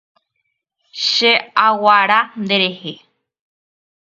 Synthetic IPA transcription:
ʃeawaɾand̪eɾehe

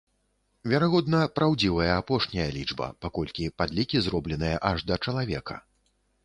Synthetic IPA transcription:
vʲaɾaɣɔd̪̚nɐpɾawd͡zʲivɐjɐapɔʂnʲɐjɐlʲid͡ʐbɐ̰pakɔlʲkʲipad̪lʲikʲizɾɔblʲɛnɨjɐʔɐʐd̪ɐt͡ʂɐlˠavʲɛkɐ̰

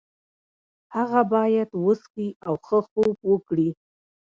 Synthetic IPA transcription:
haɣabɑjad̪wəskiawxəxobwəkɽi

